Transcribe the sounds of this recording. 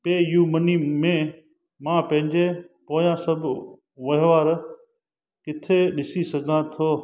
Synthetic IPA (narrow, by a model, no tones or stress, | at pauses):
peːjuːmɐnimẽ | mãpɐ̃ɦɪ̃ɲd͡ʑepoːjãsɐbʱ | ʋɐɦʋaːɾ | kɪt̪ʰeɗɪsisɐɡʱənãt̪ʰoː